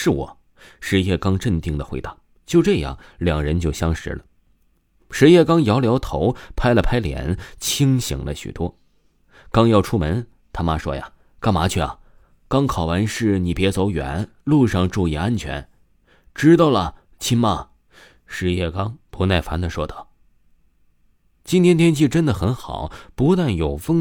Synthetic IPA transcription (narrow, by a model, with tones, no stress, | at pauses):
ʂɻ̩˥˩wɔ̰˨˩˦ | ʂɻ̩˧˥jɛ˥˩kɑ˥ŋʈ͡ʂə˥˧nt̪i˥˩ŋd̪ə˩xwe˧˥ɪa˥˩ʊ | t͡ɕjo˥˧ʊʈ͡ʂɤ˥˧jɑ̰˥˩ŋljɑ˨˩ŋɻə˧˥nt͡ɕjo˥˩ʊɕjɑ˥ŋʂɻ̩̰˧˥lə˨ | ʂɻ̩˧˥jɛ˥˩kɑ˥ŋjɑ˧˥ʊljɑ˧˥ʊt̪ʰo˧˥ʊpʰa˥ɪlə˨pʰa˥ɪljɛ̰˨˧˥nt͡ɕʰi˥ŋɕḭ˨˩ŋlə̰˦ɕy̰˨˩t̪wɔ˥ | kɑ˥ŋjɑ˥˩ʊʈ͡ʂʰu˥mə˧˥n | t̪ʰa˥ma˥ʂwɔ̰˥ja̰˩ | kɑ˥ŋma˧˥t͡ɕʰy˥˩ɐ̰˨˩ | kɑ˥ŋkʰɑ˨˩ʊwa˧˥nʂɻ̩˥˩ni˨˩pjɛ˧˥t͡so˧˥ʊɥɛ̰˨˩˦n | lu˥˧ʂɑ˥˧ŋʈ͡ʂu˥˩jɛ˥˧˩a˥nt͡ɕʰɥɛ̰˧˥n | ʈ͡ʂɻ̩˥t̪ɑ˥˩ʊlə˩ | t͡ɕʰi˥nma˥˩ | ʂɻ̩˧˥jɛ˥˩kɑ˥ŋpu˧˥na˥˩ɪfa˧˥nd̪ə˨ʂwɔ˥t̪ɑ˥˩ʊ | t͡ɕi˥nt̪ʰjɛ˥nt̪ʰjɛ˥nt͡ɕʰi˥˩ʈ͡ʂə˥nd̪ə˨xə˧˥nxɑ̰˨˩˦ʊpu˧˥t̪a˥˩njo˨˩ʊfɤ˥ŋ